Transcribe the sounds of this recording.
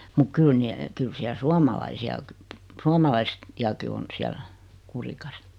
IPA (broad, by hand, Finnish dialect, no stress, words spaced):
muk kyl ni kyl siæl suɑmɑlɑisiɑ kə suomɑlɑis iɑki on siæl kurikɑs